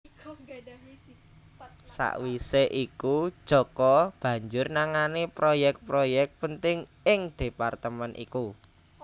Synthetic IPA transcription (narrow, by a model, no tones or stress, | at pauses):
sa̰ʔwiseʔikud̥ʒ̥ɔ̤kɔb̥ä̤ɲd͡ʒʊrnaŋanipɾojɛk̚t̪̚pɾojɛk̚t̪̚pənt̪ɪŋ | ɪŋd̪̥e̤part̪əmɛnʔḭku